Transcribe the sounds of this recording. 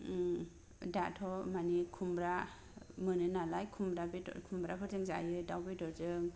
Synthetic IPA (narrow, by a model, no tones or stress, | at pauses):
datʰɔmanikʰumbɾa | mɯnɯnalajkʰumbɾabiɔ̰kʰumbɾapʰɯɾzɯŋza̰jɯdawbidɔɾzɯŋ